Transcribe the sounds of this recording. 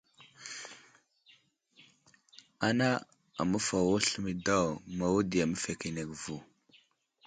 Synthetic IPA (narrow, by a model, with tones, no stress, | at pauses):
a˨na˦ | a̰˨mə˦fa˨wa˦ɬə˦mi˨da˦wma˨wu˦di˨ja˨mə˦fe˨ki˨ne˨ɡvu˨